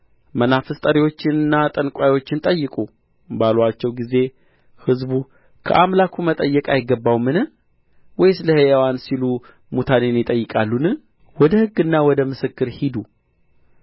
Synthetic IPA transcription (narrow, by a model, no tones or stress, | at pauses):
mənafɨst̪ʼəɾiwo̞t͡ʃːɪnɨnːat̪ʼənkʷʼajwo̞t͡ʃːɪnt̪ʼəjːɨkʼu | balwat͡ʃːɛwɡize̞ | hɨzbu | kʰə̰ʔamlakʰumət̪ʼəjːɛkʼajɪɡːəbːawmɨnɨ | wɔjsɨləhejawansilu | mut̪ʰanenjɪt̪ʼəjːɨkʼalːunɨ | wɔd̪əhɨɡːɨnːawɔd̪əmɨsɨkːɨɾhid̪u